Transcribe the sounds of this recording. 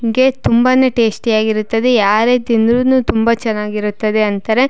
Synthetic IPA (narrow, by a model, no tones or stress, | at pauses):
iɡe̞t̪umbɐneʈe̞ːsʈijaːɡiɾut̪ːɐd̪ejaːɾed̪inɾunut̪umbɐt͡ʃɛnːaːɡiɾut̪ːɐd̪e̞ɐnt̪ɐɾe̞